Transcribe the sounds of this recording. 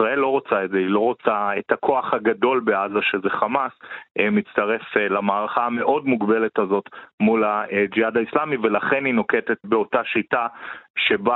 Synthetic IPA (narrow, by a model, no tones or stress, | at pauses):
isʁae̞lːo̞ʁot͡saedzeilo̞ʁot͡saetakʰo̞aχhaɡado̞lbe̞azaʃe̞ze̞χamasemit͡staʁe̞flamaːʁaχaːme̞ʔo̞dmuɡbe̞le̞tazo̞tmulad͡ʒiadaislamivelaχe̞nino̞kete̞tbe̞o̞taʃitaʃe̞ba